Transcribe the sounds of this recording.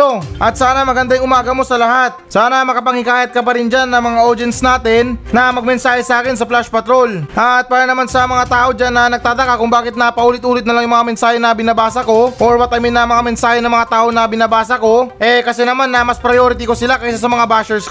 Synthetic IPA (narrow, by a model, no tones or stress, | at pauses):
oʔɐt̪̚saːnɐmɐɡɐnd̪ajŋʔʊmaːɡɐmo̞sɐlɐhat̪̚saːnɐmɐkɐpɐŋhɪkaːjɐt̪̚kɐpɐɾɪnd͡ʒanːɐŋmɐŋaʔoɾd͡ʒɛnsnaːt̪ɪnːɐmɐɡ̚mɛnsaːhɛsɐʔaːkɪnsɐplaʃpɐt̪ɾo̞lʔɐt̪̚paːɾɐnɐmansɐmɐŋat̪aːʔo̞d͡ʒanːɐnɐɡ̚t̪aːt̪ɐkakʊŋbaːkɪt̪̚nɐpɐʔuːlɪt̪ʔuːlɪt̪̚nɐlaŋjʊŋmɐŋamɛnsaːhɛnɐbɪnabaːsɐko̞ʔoɹbɐt̪̚ɐmɪnɐmɐŋamɛnsaːhɛnɐŋmɐŋat̪aːʔo̞nɐbɪnabaːsɐko̞ʔɛkɐsɛnɐmanːɐmɐspɾɐjoɾɪt̪ikosɪlakɐʔsasɐmɐŋabaːʃɛɹsk